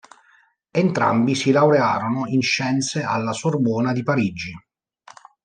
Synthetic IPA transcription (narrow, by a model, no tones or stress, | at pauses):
ent̪ɾa̰mbisilawɾeaːɾonoinʃːɛnt̪sealːasorbɔːnad̪ipaɾid͡ʒi